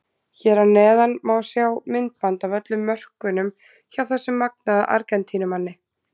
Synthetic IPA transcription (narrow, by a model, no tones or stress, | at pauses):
çɛːɾanɛːðanmawsjawmɪnt̪̚pant̪awvœt̪lʏmːœr̥kʏnʏm | çawθasːɪmːak̚naðaʔa̰ɾkɛnt̪ʰiːnʏmanːɪ